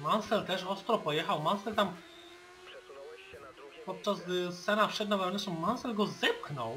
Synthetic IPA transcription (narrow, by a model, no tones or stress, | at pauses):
mansɛlt̪ɛʂɔst̪ɾɔpɔjɛxawmansɛlt̪am | pɔt̪̚t͡ʂazssɛnafʂɛd̪navɛwnɛsɔmmansɛlɡɔzɛp̚xnɔw